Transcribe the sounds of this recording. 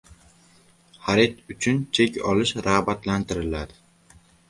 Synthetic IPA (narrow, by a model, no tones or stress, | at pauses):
haɾet̪ʊt͡ʃʰʊnt͡ʃʰekʲɒ̰lɪʃɾahbat̪lant̪ʰɪɾɪlad̪ɪ